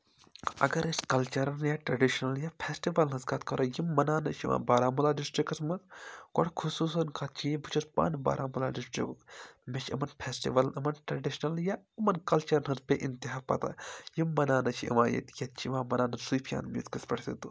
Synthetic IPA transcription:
ɐɡɐɾiskɐlt͡ʃɐɾɐnjaːʈɾɐɖiʃnɐljaːpʰeːsʈiʋɐlnɐzkat̪kɐɾoːjimːɐnaːnɐt͡ʃʰḭʋã̰ːbaːɾaːmulaːɖisʈɾikɐsmɐnko̰ɽkʰusuːsɐnkaːtt͡ʃʰibut͡ʃʰuspa̰ːnba̰ːɾʔaːmulaːɖisʈɾḭkmet͡ʃʰɐmɐnpʰeːsʈḭʋɐlnɐmɐnʈɾɐɖiʃnɐljaːɐmɐnkɐlt͡ʃɐɾnɐzpeʔint̪iɦaːpɐ̰t̪a̰ːjimːɐnaːnɐt͡ʃʰiḭʋa̰ːjɐ̰t̪jɐt͡ʃʰiʋãːmɐnaːnɐsupʰija̰ːnmḭt̪kɐspɐʈʰsḛt̪u

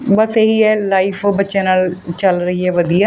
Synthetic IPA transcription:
bəseɦiːɛːlaːipʰbətːʃãːnaːlt͡ʃəlɾəɦiːɦɛːʋəd̪ijaː

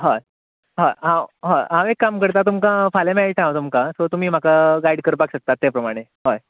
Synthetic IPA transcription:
ɦaj | ɦaɦãɦaɦãʋekːamkəɾt̪at̪umkãfalemaʈʰãʋt̪umkasot̪um̤iːm̤akaɡaiɽkəɾpakɕək̚t̪at̪ːepɾəmaɽ̃eɦoj

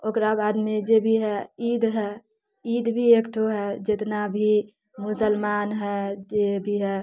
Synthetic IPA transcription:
okɾabaːd̪mẽd͡ʒebʱiɦɛid̪ɦɛ | id̪bʱiekʈʰoɦɛd͡ʒet̪nabʱi | mʊsəlmaːnɦɛd͡ʒebʱiɦɛ

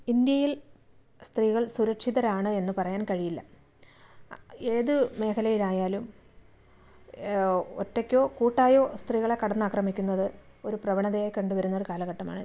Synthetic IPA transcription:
ind̪jɐjil | st̪riːɣɐɭsuɾɐkʂiðɐɾaːɳɨe̞nːɨpɐrɐjaːnkɐɻijilːɐ | e̞ːðɨme̞ːkʰɐlɐjilaːjaːlum | o̰tːekʲːo̞ːkuːʈːaːjo̞ːst̪riːɣɐɭe̞kːɐɽɐnːɨaːkrɐmikʲːunːɐðɨ | o̞ɾuprɐʋɐɳɐðɐjaːjkɐɳɖuʋɐɾunːɐo̞ɾukaːlɐɣɐʈːɐma̰ːɳɨ

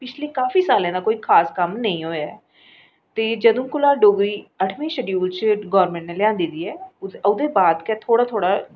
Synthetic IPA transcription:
pɪt͡ʃʰleːkaːfiːsaːlãːd̪aːkoːiːkʰaːskəmnəĩːɦoːjaɛː | t̪eːd͡ʒəd̪õːkʊlaːɖoːɡɾiːəʈʰʋẽːʃɛɖjuːlt͡ʃɡɔːɾmɛ̃ːɳʈneːlɪjãːnd̪iːd̪iːɛːʊd̪eːbaːd̪kɛːt̪ʰoːɽaːt̪ʰoːɽaː

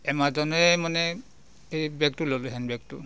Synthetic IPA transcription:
ɛmazɔnɔɛmanɛ | ejbɛk̚tulolɦɛnbɛk̚tṵ

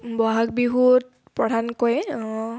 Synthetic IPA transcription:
bɔɦak̚biɦut̚ | pɹɔdʱankojɔ̃

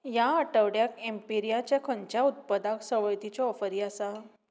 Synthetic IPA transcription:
jaəʈəʋɽjakempiɾijat͡ɕjakʰəɲt͡ɕjaut̪̚pəd̪aksəʋəjt̪it͡ɕɔɔfəɾiasa

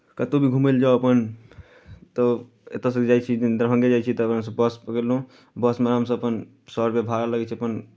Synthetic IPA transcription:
kət̪ubʱiɡʱumeld͡ʒaoəpən | t̪ɔ | ḛt̪as̬əkd͡ʒajt͡ʃʰid̪ɾɦə̃ŋɡed͡ʒajt͡ʃʰit̪ɔːpnas̬əbbəspəkelɦũ | bəsmeɾəmsəəpən | səɾpebʱaɾaləɡɛt͡ʃʰiəpən

